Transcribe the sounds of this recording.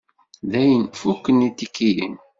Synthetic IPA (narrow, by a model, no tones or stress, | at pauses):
ðæjənfukːənit̪ːikːijə̰n